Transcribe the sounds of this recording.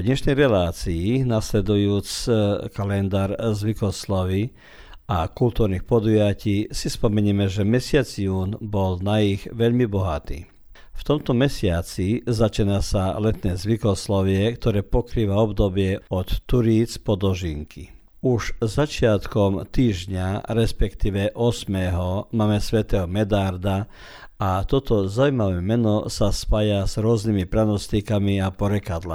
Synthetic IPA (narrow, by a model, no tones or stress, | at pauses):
d̪ɲɛʃnɛjɾɛlaːt͡siinaslɛd̪ujuːt͡skalɛnd̪aːɾzʋikɔslɔʋi | akult̪uːɾniːxpɔd̪ujaciːsispɔmɛɲiːmɛʒɛmɛsɪad͡zjuːnbɔlnaiɣʋɛʎmibɔɦat̪ḭː | ft̪ɔmt̪ɔmɛsɪat͡sizat͡ʃinasalɛt̪nɛːzʋikɔslɔʋɪɛkt̪ɔɾɛːpɔkɾiːʋaɔbd̪ɔbɪɛɔt̪ːuɾiːt͡spɔd̪ɔʒiŋkʰi | uʒzat͡ʃɪat̪kɔmt̪iːʒɲaɾɛspɛkt̪iːʋɛʔɔsmɛːɦɔmaːmɛsʋɛt̪ɛːɦɔmɛd̪aɾd̪a | at̪ɔt̪ɔzaʊujmaʋɛːmɛnɔsaspaːjaz̥ɾʊɔznimipɾanɔst̪ikamiapɔɾɛkad̪la̰